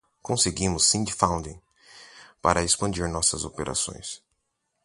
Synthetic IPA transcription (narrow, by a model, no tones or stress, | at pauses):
kõseɡĩmʊsːĩnd͡ʒfãw̃d̪ĩŋ | paɾɐespɐ̃nd͡ʒiɾnɔsɐzo̰peɾʔa̰sõ̰j̃s